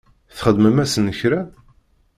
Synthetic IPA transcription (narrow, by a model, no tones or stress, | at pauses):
θχəd̪məmæsənːəçɾæ